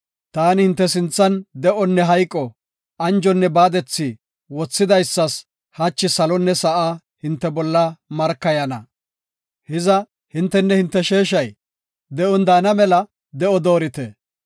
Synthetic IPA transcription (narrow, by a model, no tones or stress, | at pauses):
t̪aːnɪhɪnt̪ːɛsɪnt͡sːɐnd̪ɛʔɔnːɛɦɐjkʼːɔ | ɐnd͡ʒɔnːɛbaːd̪ɛt͡sːi | wɔt͡sːɪd̪ɐjsːɐs | hɐt͡ʃːɪsɐlɔnːɛsɐʔaː | hɪnt̪ːɛbɔlːɐmɐɾkːɐjɐnɐ̰ | hɪzɐ | hɪnt̪ːɛnːɛhɪnt̪ːɛʃe̞ːʃɐj | d̪ɛʔɔnd̪aːnɐmɛlɐ | d̪ɛʔɔd̪o̞ːɾɪt̪ɛ